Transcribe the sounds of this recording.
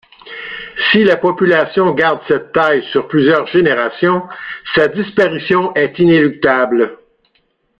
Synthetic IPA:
silapɔpylasjɔ̃ɡaʁd̪sɛt̪ːajsyʁplyzjœːʁʒeneʁasjɔ̃sad̪ispaʁisjɔ̃ʔɛt̪inelyk̚t̪abl

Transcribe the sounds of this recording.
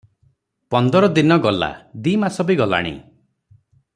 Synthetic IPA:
pɔnd̪ɔɾɔd̪inɔɡɔla̰d̪imasɔbiɡɔla̰ɽ̃ḭ

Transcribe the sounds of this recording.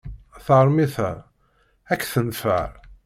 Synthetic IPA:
θɾˤmiθæ | ækːθənfə̰ɾ

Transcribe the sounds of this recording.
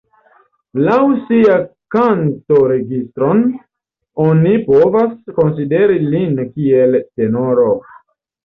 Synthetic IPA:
lawsiakanto̞ɾe̞ɡistɾo̞n | onipovasko̞nside̞ɾilinkielte̞noɾo

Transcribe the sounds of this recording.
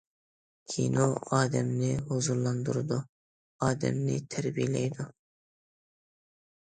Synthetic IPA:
kʲʰḭnoɑːd̪ɛmnɪɦozulːˠɑnd̪uɾɨd̪u | ɑːd̪ɛ̰mnɪ̰t̪ʰæɾbijlɛ̰jd̪u

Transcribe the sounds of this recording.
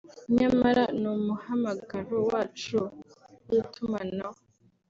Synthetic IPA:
ɲamaɾanumuhamaɡaɾowaːt͡ʃu | itumana

